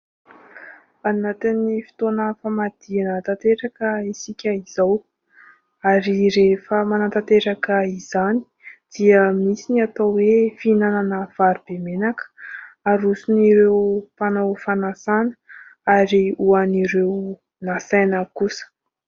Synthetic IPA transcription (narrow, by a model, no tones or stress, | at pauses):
anat̪inːifi̥t̪onəfamad̪̥ianat̪at̪eɾakəisikʲəiz̥aw | aɾiɾefəmanat̪at̪eɾakəiz̥ani̥ | d̪̥iəmisiniat̪awwefinananəv̥aɾub̥emenakə̥aɾusuniɾewpanawfanasanə̥aɾiuaniɾew | nasajnəkusə̥